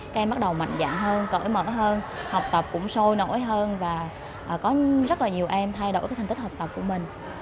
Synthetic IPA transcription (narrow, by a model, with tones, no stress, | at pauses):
aː˨˦˥kʔɛ˧mɓa˦˥t̚ɗə˨˩wma̰˧˨jŋ̟za̰ː˧˨ŋɦəː˧nkə̰ː˧˩jmə̰ː˧˩ɦəː˧nha˨˩wk͡p̚t̪ə˨˩p̚kʊ̰˧˥ŋ͡mso˧jno̰˧˥jɦəː˧nvaː˨˩ | ʔəː˨˩kɔ˨˦zə˦˥t̚laː˨˩ɲi˨˩əwʔɛ˧mt̪ʰa˧jɗo̰˧˥˩jaː˦˥jt̪ʰa˨˩ŋt̪khk͡p̚t̪ə˨˩p̚ku˧˩əmï˨˩ŋ̟